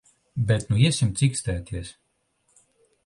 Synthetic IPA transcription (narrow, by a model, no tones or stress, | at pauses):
bʲɛt̪nuisʲimt̪sʲikst̪ɛːt̪ʲʰiɛs